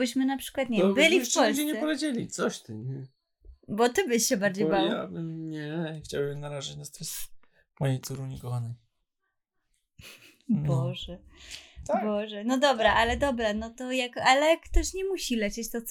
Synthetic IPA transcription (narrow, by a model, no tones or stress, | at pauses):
ɘɕmɘnapʂɘ̥kwat̪̚ɲɛbɘlʲifɔlsd͡ʑɛɲɛsɛpɔvʲjed͡ʑelʲit̪sɔɕt̪ɨɲɛ | bɔt̪ɘbɘɕɕɛbaɾd͡ʑejbawa̰bɨmɲɛxt͡ɕawbɨmnaɾaʐat͡ɕnast̪ʲa | mɔjejt̪suɾuɲikɔxanɛj | bɔʐɛ | bɔʐɛnɔd̪ɔbɾaʔalɛd̪ɔbɾanɔt̪ɔjakalɛkːt̪ɔɕɲɛmuɕilɛt͡ɕɛt͡ɕt̪ɔt̪s